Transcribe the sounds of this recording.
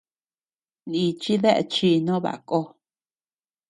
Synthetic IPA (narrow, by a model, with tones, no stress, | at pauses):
nĩ˧t͡ʃi˦ðe˦ʔḛ˧t͡ʃi˧nõ˦βa̰˨˦ko˧˦